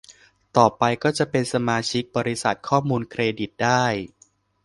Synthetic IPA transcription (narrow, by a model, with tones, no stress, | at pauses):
t̪ɔː˨˩pa˧jkɔː˥˩t͡ɕa˨˩pe˧nsa˧maː˧t͡ɕʰi˦˥k̚bɔː˧ɾi˦˥sa̰˨˩t̪̚kʰɔː˥˩muː˧nkʰɾeː˧di˨˩t̪̚daː˥˩j